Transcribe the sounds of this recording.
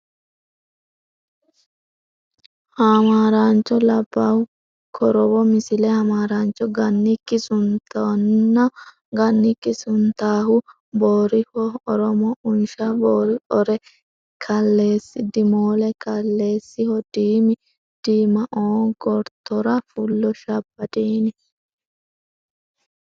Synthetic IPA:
hamaːɾaːnt͡ʃːɔlɐbːahʊ | kʰɔɾɔwɔmɪsɪlɛhɐmaːɾaːnt͡ʃɔɡɐnːɪkːɪsʊnt̪ɐnːɐ | ɡɐnːɪkːɪsʊnt̪aːɦʊ | boːɾɪhɔɔɾɔmɔʊnʃɐboːɾɪɔɾɛ | kʰɐlːe̞ːsːɪd̪ɪmoːlɛkɐlːe̞ːsːɪhɔd̪̥iːmɪ | d̪̥iːmɐʔoːɡɔɾt̪ɔɾɐfʊlːɔʃɐbːɐt̪iːnɪ

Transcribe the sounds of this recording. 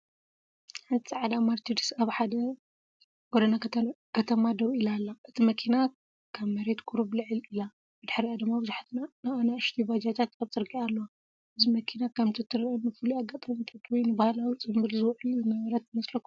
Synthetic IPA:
ħant̪ʰi̥saʕad̪amaɾt̪ʰid̪isaβħad̪ɐ | ɡod̪ɐna | kʰɐt̪ʰɐmad̪ɐβʔilalːaʔɨt̪ʰimɐkʰina | kʰɐβmɐɾe̞t̪kʰʼuɾuβlɨʕɨlila | bɨd̪ɨħɾijad̪ɨmːabɨzuħat̪ʰɨnanɨʔanaɨʃt̪ʰiβad͡ʒat̪ʰat̪aβt͡sʼɨɾɡialːowa | ʔɨzimɐkʰinakʰɐmt̪ʰɐt̪ʰːɨɾɐnɨfɨluaɡat̪ʼɐmit̪ʰat̪wɔjnɨbahlawit͡sʼɨmbɨlzɨwʕluzɨmɐβɾɐt̪ɨmɐslɐkːu

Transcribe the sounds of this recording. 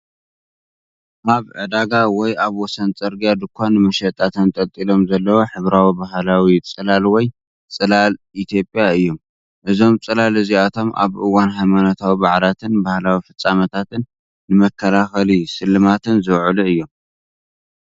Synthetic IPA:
ʔaβʕɨd̪aɡawɔjaβwɔsɐnt͡sʼɐɾɡijad̪ɨkʷʰːanːɨmɐʃɐt̪ʼat̪ʰɐnt̪ʼɐt̪ʼilo̞mzɐlːɐwoħɨβɾawibaɦlawit͡sʼɨlalwɔj | t͡sʼɨlalʔit̪ʰjo̞pʼjaɨjːo̞m | ʔɨzo̞mt͡sʼɨlalɨziat̪ʰo̞mʔa̰βʔɨwːanɦajmanot̪ʰawibaʕlat̪ʰɨnbahlawifɨt͡sʼːamɐt̪ʰat̪ɨnː | ɨmɐkʰːɐlaxɐlisɨlːɨmat̪ʰɨnzɨwʕɨluɨjːo̞m

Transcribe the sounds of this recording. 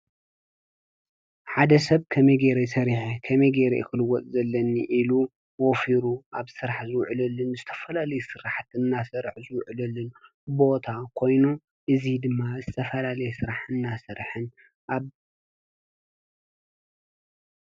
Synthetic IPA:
ħad̪ɐsɐβkʰɐmejɡeɾesɐɾiħekʰɐmejɡeɾḛkʰɨlɨwɔt͡s̪ʼzɐlːɐnːiʔilu | wɔfiɾuaβsɨɾaħzɨwʕlɐlːɨnzɨt̪ʰɐ̥fɐlalɐjusɨɾaħt̪ɨnːasɐɾħzɨwʕlɐlːɨn | bo̞t̪ʰakʰo̞jnu | ʔɨzid̪ɨmːazɨt̪ʰɐfɐlalɐjɛsɨɾaħɨnːasɐɾħɨn | ʔaβ

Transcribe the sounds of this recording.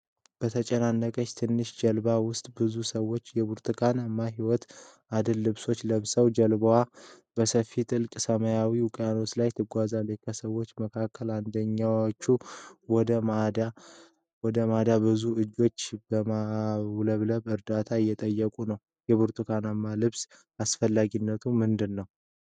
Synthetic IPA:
b̥ət̪ʰət͡ʃʼɛnanːəkʼət͡ʃːt̪ʰɨnːɨʃd͡ʒɛlbawʊst̪ʼbɨzusəwːo̞t͡ʃːjɛβuɾt̪ʰɨkʰanamːaɦiwɔt̪ | ʔad̪ɨlːɨβso̞t͡ʃːləβsəwd͡ʒəlbəwa | bəsəfːit̪ʼɨlkʼsəməjawiwʊkʼjano̞t͡ʃlajt̪ʰɨɡʷazaləkʰəsəwːo̞t͡ʃːməkʰakʰːəland̪əɲːawot͡ʃːuwɔd̪əmad̪a | wɔd̪əmad̪abɨzuɨd͡ʒːo̞t͡ʃːbəmawləβləβɨɾd̪at̪ʰajːɛt̪ʼəjːəkʼunəw | jɛβuɾt̪ʰɨkʰanamːalɨβs | asfəlːaɡinːət̪ʰumɨnd̪ɨnːəw

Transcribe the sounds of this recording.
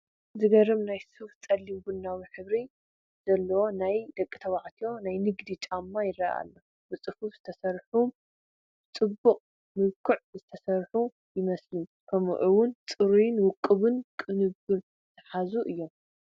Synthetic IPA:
zɨɡɐɾɨmnajsɨft͡sʼɐlːimbunːawiħɨβɾi | z̥ɐlːɐwo̞najd̪ɐkʼːɨt̪ʰɐβaʕt̪ʰijo̞najnɨɡd̪it͡ʃʼamːajɪɾɐa̰lːɐ | bɨt͡sʼɨfufz̥ɨt̪ʰɐsɐɾħu | bɨt͡sʼɨbːuqʼ | mɨβkʰɨʕzɨt̪ʰɐsɐɾħu | jɪmɐslukʰɐm̰ʔɨwʊnt͡sʼɨɾujnwʊkʼːɨβɨnkʼɨnɨbɨɾ | ɨt̪ʰɐħazuʔɨjːo̞m

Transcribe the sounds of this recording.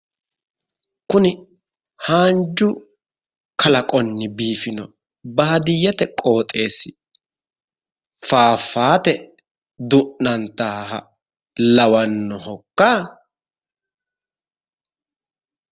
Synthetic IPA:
kʊnɪ | haːnd͡ʒʊ | kʰɐlɐkʼɔnːɪbiːfɪnɔ | bɐːɐd̪ɪjɛt̪ɛkʼo̞ːt̪ʼe̞ːsːɪ̥ | faːfːaːt̪ɛ | d̪ʊʔnɐnt̪aːɦɐ̰ | lɐwɐnːɔhɔkːaː

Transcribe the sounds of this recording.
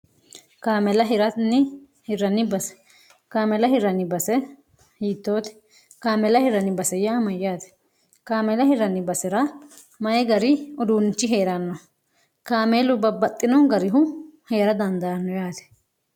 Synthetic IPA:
kaːmɛlɐɦɪɾɐnɪ | hɪɾɐnːɪbɐsɛ̥ | kaːmɛlɐhɪɾɐnːɪbɐsɛ | hiːt̪ːoːt̪ɛ̥ | kaːmɛlɐhɪɾɐnɪbɐsɛjaːmɐjaːt̪ɛ̥ | kaːmɛlɐhɪɾɐnːɪbɐsɛɾɐ | mɐʔɛɡɐɾɪɔd̪unt͡ʃːɪɦeːɾɐnːɔ | kaːmeːlʊbɐbːɐt̪ʼːɪnɔɡɐɾɪɦʊheːɾɐd̪ɐnd̪ɐɐnːɔjaːt̪ɛ̥

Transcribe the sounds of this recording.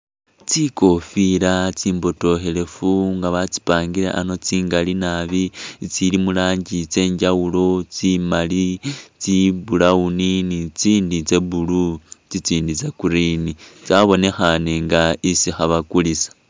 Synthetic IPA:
t͡siko̞fiɾat͡siːmbo̞to̞xe̞le̞fuŋɡaβat͡si̥paːŋɡiɾḛʔano̞t͡siːŋɡalinaβit͡silimulaːɲɟit͡se̞ːɲɟawulo̞t͡simalit͡siβulauninit͡siːndit͡se̞βulut͡sit͡siːndit͡se̞kuɾinit͡saβo̞ne̞xaneŋɡaisixaβakulisḁ

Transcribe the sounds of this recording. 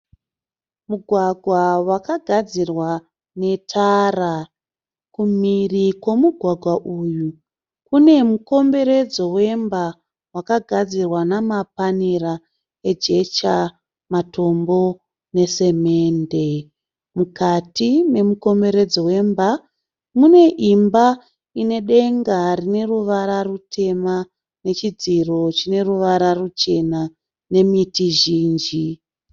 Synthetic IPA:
muɡʱwaɡʱwawakaɡʱad͡zirwa | ne̞tʰara | kumirikwo̞muɡʱwaɡʱwaʔuju | kune̞muko̞mbe̞ɾe̞d͡zo̞we̞mba | wakaɡʱad͡zirwanamapanira | e̞d͡ʒe̞t͡ʃa | mato̞mbo̞ | ne̞se̞me̞ːnde̞ | mukatine̞muko̞mbe̞ɾed͡zowe̞mba | mune̞ʔimba | ine̞ɗe̞ŋɡarine̞ruʋaɾarutʰe̞ma | ne̞t͡ʃid͡ziro̞t͡ʃine̞ruʋaɾarut͡ʃe̞na | ne̞mitiʒiːnd͡ʒi

